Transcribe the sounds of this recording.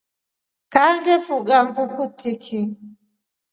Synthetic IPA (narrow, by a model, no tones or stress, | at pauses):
kaŋɡɛfuɡambukutikʰi